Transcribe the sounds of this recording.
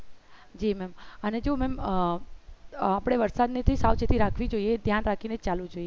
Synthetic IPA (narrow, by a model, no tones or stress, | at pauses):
d͡ʒimɛməned͡ʒomɛm | apɽ̃eʋəɾsad̪net̪ʰisawt͡ʃet̪ʰiɾakʰʋid͡ʒoied̪ʱjanɾakʰinet͡ʃalũd͡ʒoie